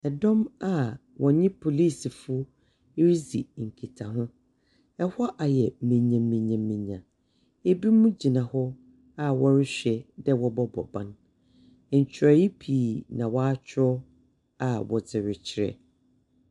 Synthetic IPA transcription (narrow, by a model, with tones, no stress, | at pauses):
ɛ˨dɔ̃˦ma˨ | wʔɔ̃˨ɲɪ̃˦pʰo˨liː˦˨si˨fʊ˦ | ɾi˦zi˨ŋ̩˨kʰi˨tʰa˨ɦʊ̃˦ | ɛ˦hɔ˦ʔa˨jɛ˨mĩ˨ɲã˨mːĩ˨ɲã˨mːĩ˨ɲã˨ | e˦bi˦mũ˦d͡ʑi˨nã˨hɔ˦ | a˦wɔ˦ɾɪ˦ɕᶣɛ˨dɛ˦wɔ˦bɔ˦bɔ̰˨bã̰˦n˨ | ɲ̩˨t͡ɕʰᶣɪ˨ɾa˨ji˦pʰiː˨nã˨wɔ˦a˦t͡ɕʰɪ˦ɾɔ˦ | a˨wɔ̰˨d͡zɪ˨ɾɪ˨t͡ɕʰɪ˦ɾɛ̰˨